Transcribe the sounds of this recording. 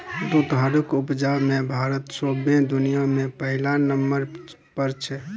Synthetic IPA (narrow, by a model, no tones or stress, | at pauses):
d̪ut̪ɦaɾəkʊpd͡ʒamẽbʱaːɾət̪soːbẽd̪ʊnijamẽpəɦɪlanəmbəɾ | pəɾt͡ʃʰɛ